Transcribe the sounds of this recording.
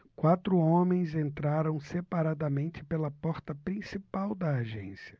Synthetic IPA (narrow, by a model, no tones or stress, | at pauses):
kwat̪ɾʊõmẽj̃zẽnt̪ɾaɾɐ̃w̃sepaɾad̪ɐmẽnt͡ʃɪ̥pelɐpɔɾt̪ɐpɾĩsipawd̪ɐːʒḛ̃siɐ̥